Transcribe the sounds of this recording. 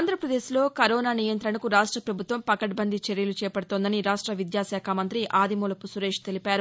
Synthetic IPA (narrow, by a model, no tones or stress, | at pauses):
nd̪ʱɾɐpɾɐd̪eːslo̞ːkɐɾɔːnaːnijɐnt̪ɾɐɳɐkuɾaːʂʈɾɐpɾɐbʱut̪ʋɐmpɐkɐʈbɐnd̪ʱit͡ʃeɾjɐlut͡ʃɛːpɐɽut̪oːnd̪ɐniɾaːʂʈɾɐʋid̪jaːsaːkʰamɐnt̪ɾiʔaːd̪imoːlɐpusuɾeːʂt̪e̞lipaːɾu